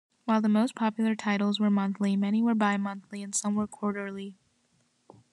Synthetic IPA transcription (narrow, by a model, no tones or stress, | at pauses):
waɪlˠðəmoʊspʰɑpjl̩ˠə˞tʰaɪɾl̩ˠzwə˞mʌ̃nθlimɛñiwə˞baɪmʌ̃nθliɨ̃nsʌ̃mwə˞kʰɔɹɾə˞lˠi